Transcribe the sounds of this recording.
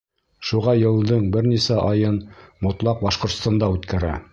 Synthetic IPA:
ʃuʁɑjɤ̆lˠd̪ɤɴbɘɾnisæʔɑjɤnmŏt̪lˠɑq̚bɑʃqŏɾt̪st̪ɑnd̪ɑʉt̪kæɾæ̰

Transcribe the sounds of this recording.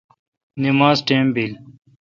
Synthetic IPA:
nimaːzʈẽːmbiːl

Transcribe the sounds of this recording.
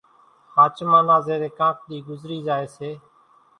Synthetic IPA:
haːt͡ʃmãːnãːzeːɾeːkãːk̚ɗ̪iːɡʊzɾiːzaːeːseː

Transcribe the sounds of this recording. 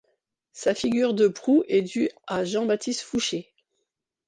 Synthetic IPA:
safiɡʲyʁd̪əpχuʔɛd̪yaʒɑ̃bat̪ist̪fuʃe

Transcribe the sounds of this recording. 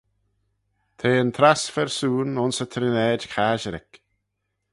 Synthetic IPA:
t̪ʰeːənt̪ʰɾasfɛɹsuːnʊnsət̪ʰɾɪnɛːdkʰaʒəɾɪ̰k

